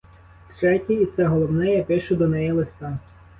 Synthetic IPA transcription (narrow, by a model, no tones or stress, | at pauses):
t̪ɾɛtʲiit̪sɛɦɔlˠɔwnɛjɛpɪʃʊd̪ɔnɛjilˠɪst̪ɑ